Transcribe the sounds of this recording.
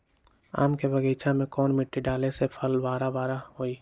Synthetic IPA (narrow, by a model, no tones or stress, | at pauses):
a̰ːmkebəɡeːt͡ʃʰamẽkɔːnmɪʈːiɖaːlesepʰəlbaːɾabaːɾaɦoːiː